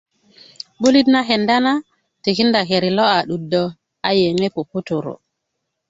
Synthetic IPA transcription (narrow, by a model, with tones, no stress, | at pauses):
bo˦li˦dna˦ɦe˨nda˦na˦ | te˨ki˦nda˨ke˨ɾi˨lɔ˦a˨ɗu˨dɔ˦ | a˦je˨ŋe˦po˨pːo˦to˨ɾo̰˨